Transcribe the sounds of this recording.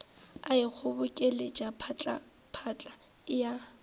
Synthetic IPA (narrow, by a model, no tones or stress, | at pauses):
aɪk͡xʰʊbʊkʼɛled͡ʒapʰt͡ɬʼa̰ | pʰat͡ɬʼa | ɪja